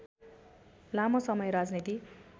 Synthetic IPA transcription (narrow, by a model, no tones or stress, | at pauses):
lamʌsʌmʌjɾad͡znit̪i